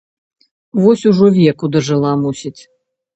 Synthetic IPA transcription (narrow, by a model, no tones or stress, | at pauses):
vɔsʲuʐɔvʲɛkud̪ɐʐɨlˠamusʲit͡sʲ